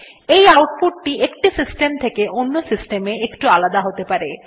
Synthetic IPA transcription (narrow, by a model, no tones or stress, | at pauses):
ejawʈ̚puʈːiʔekʈisisʈemt̪ʰekeʔonːosisʈemeekʈualad̪aɦot̪epaɾe